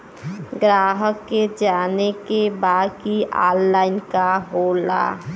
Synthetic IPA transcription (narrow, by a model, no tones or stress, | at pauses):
ɡɾaːɦəkːed͡ʒaːnekebaːd̪kia̰ːlːaːɪnkaɦoːla̰